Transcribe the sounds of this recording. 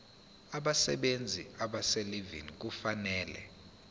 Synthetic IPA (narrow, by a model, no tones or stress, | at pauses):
aɓasɛ̰ɓend͡zʱiaɓasɛlivḭnik̬ufanɛːlɛ̰